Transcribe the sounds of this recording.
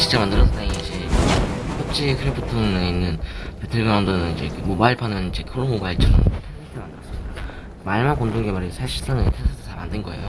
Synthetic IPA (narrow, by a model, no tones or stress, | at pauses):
ɕʰi̥t͡ɕ͈amandɯɾʌs͈ɯt͈aid͡ʑʰi | kʰop̚t͡ɕ͈ʰikʰɯɾepʰɯtʰoŋneinːɯnpʰetʰɯɭɡaʌndonɯnid͡ʑḛkmobaiɭpʰanɯnid͡ʑe̞kʰɯɾomobaiɭt͡ɕʰʌɾʌmtʰesʰʌitʰamandɯɾʌs͈ʌda | maiɭmankondoŋɡemaɾiesʰaɕʰisʰanɯtʰesʰʌs͈ʰɯt͡ɕʰama̰ndɯnɡʌ̰ḛjo